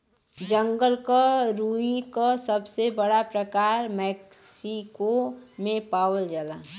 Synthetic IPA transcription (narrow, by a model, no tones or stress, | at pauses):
d͡ʒəŋɡəlkaɾuikasəbsebəɽapɾəkaːɾmɛkssikomẽpaːwəld͡ʒala